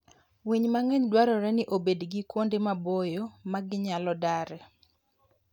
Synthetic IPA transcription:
wiɲmaŋɛɲdwaɾɔɾɛnɪʔobedɡɪkwondemabojomaɡɪɲalɔdaɾɛ

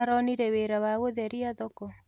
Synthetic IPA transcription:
ɾɔniɾɛweɾawaɣoðɛɾiaðɔkɔ

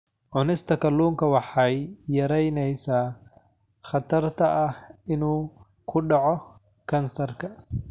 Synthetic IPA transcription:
ʕʊnɪst̪ʰɐkɐlːuːŋkɐwɑħɑjːɐɾɛjnɛjsaː | χɐt̪ʰɐrt̪ʰɐʔɐhɪnuː | kʰʊɖɑʕɔ | kʰɐnsɐrkʰɐ

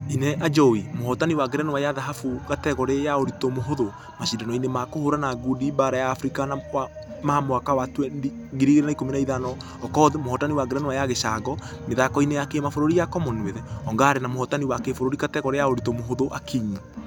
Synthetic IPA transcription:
ineʔad͡ʒɔimohɔtaniwaɡeɾɛnowajaðaɦafukatɛɣɔɾejaoɾitomoɦoðo | maʃindanɔinemakohoɾanaɡudibaɾajaːfɾikanawa | mahamwakawatwɛi | ɡiɾiɣeɾenaikominaiðanɔ | ɔkɔːðemohɔtaniwaɡeɾɛnowajaɣeʃaɡɔmeðakɔinejakemafoɾoɾijakɔmɔneðɛɔŋɡaːɾenamohɔtaniwakefoɾoɾikatɛɣɔɾejaoɾitomoɦoðoʔakʰiɲi

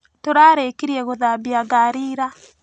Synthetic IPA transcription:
toɾaːɾekiɾiɛɣoðabiaɡaɾiːɾa

